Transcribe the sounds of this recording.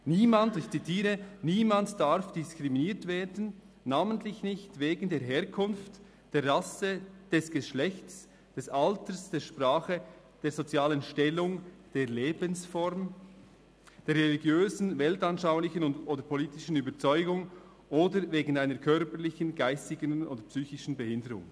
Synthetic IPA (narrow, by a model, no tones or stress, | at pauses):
niːmandɪçt͡sitʰiːʁəniːmantd̥aɾfd̥ɪskʁ̥iminiːɐtveːdn̩ | nːaːməntlɪçnɪçtveːɡn̩deːɐɦeːɾkʰʊnft | d̥eːɾʁːasəd̥ɛsɡ̥əʃlɛçts | d̥ɛsʔaltəsd̥eːʃpʁaːχə | d̥eːzot͡sjaːlənʃtɛlːʊŋ | d̥eːʁleːbənsfɔɾm | d̥eːɾʁɛliɡjøːzn̩vɛltɑnʃaʊlɪçənʊntʔoːdəpʰoliːtɪʃn̩yːbət͡sɔʏɡʊŋ | ʔoːdəɾveːɡn̩aɪnəɾkʰœʁpəɾlɪçənɡaɪstɪɡəno̰ːdəpsyːçɪʃn̩bɛhɪndəɾʊ̰ŋ